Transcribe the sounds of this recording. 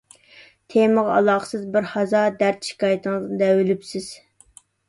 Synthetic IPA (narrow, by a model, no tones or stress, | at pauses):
t̪ʰeməʁɑ̰lˠɑχə̥sɨzbɪɾhɑzɑd̪æɾt̪ʃi̥kɑːjit̪ʰəŋzɨd̪ɛwylypsɪz̥